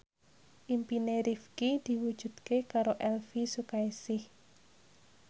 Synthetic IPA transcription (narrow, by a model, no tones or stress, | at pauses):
ʔimpineɾifkid̪̥i̤wud̥ʒ̥ṳd̪̥̚kekaɾoʔɛlfisukaesɪh